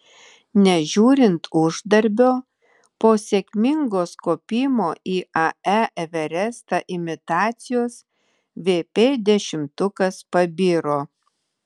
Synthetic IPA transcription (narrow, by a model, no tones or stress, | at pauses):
nʲɛʒʲuːɾʲɪnt̪ʊʒd̪ɐɾʲbʲoː | poːsʲekʲmʲɪŋɡoːskoːpʲiːmoːʔiːʔɐæʔɛʋʲɛɾʲɛst̪ɐʔɪmʲɪt̪ɑːt̪sʲɪjoːs | ʋʲeːpʲeːd̪ʲɛʃʲɪmt̪ʊkɐspɐbʲiːɾoː